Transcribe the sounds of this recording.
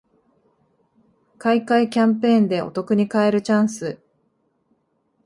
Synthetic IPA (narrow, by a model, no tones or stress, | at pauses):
kaikaikʲãmpẽ̞ːnd̪e̞ʔo̞̰t̪o̞kɯ̟ɲ̟ikaeɾɯ̟t͡ɕãɰ̃sɨ